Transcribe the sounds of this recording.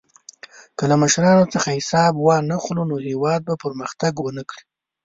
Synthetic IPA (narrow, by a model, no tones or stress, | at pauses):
kəlaməʃɾɑnot͡səxahɪsɑbwɑnaxlunohewɑd̪̚bapəɾməxt̪aɡwənakɽi